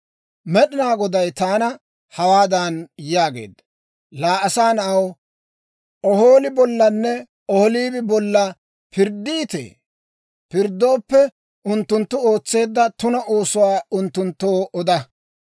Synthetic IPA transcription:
mɛɗɪnaːɡɔd̪ɐjt̪aːnɐ | hɐwaːd̪anjaːɡe̞̰ːd̪ːɐ̥ | laːʔɐsaːnɐw | ɔɦoːlɪbɔlːɐnːɛ | ɔhɔliːbɪbɔlːɐ | pɪɾd̪ːiːt̪ḛː | pɪɾd̪ːo̞ːpːɛ | ʊnt̪ːʊnt̪ːʊo̞ːt͡sːe̞ːd̪ːɐt̪ʊnɐʔoːsʊwaːʊnt̪ːʊnt̪ːoːʔɔd̪ɐ

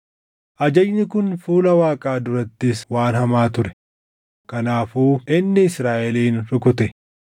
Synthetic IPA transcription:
ʔɐd͡ʒɐd͡ʒnɪkʊnfuːlɐwaːkʼaːd̪ʊɾɐt̪ːɪswaːnhɐmaːt̪ʊɾɛ̥ | kɐnaːfuːʔɪnːɛɪsɾaːʔɛliːnɾʊkʊt̪ɛ

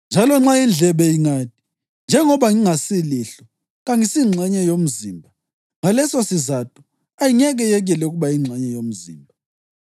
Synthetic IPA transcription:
nd͡ʒʱalɔŋ͡ǁajind͡ɮʱɛβɛiŋaːtʼi̥ | nd͡ʒʱɛŋɔβaŋiŋasiliɬɔ | ɣaŋisiŋ͡ǀʱɛɲɛjom̩ziːmbʱa | ŋalɛsɔsizatʼu̥ | ajiŋɛɣɛjɛɣ̬ɛlɛuɣuβajiŋ͡ǀʱɛɲɛjom̩zḭːmbʱa

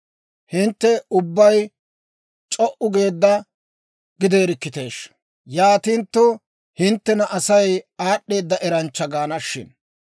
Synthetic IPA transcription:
hɪnt̪ːɛʊbːɐj | t͡ʃʼɔʔʊɡe̞ːd̪ːɐ | ɡɪd̪e̞ːɾɪkːɪt̪e̞ːʃ | jaːt̪int̪ːʊ | hɪnt̪ːɛnɐʔɐsɐjaːɗːe̞ːd̪ːɐʔɛɾɐnt͡ʃːɐɡaːnɐʃːɪ̰n

